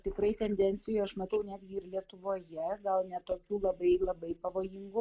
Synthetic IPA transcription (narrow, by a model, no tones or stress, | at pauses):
t̪ʲɪkɾɐɪt̪ʲɛnʲd̪ʲɛnʲsʲɪjoɐʃmɐt̪ɐʊnʲæːd̪ʲɡʲɪɪɾlʲiɛt̪ʊʋoːjɛɡɐlˠnʲɛt̪oːkʲuːlˠɐbɐɪlˠɐbɐɪpɐʋoːjɪŋɡʊ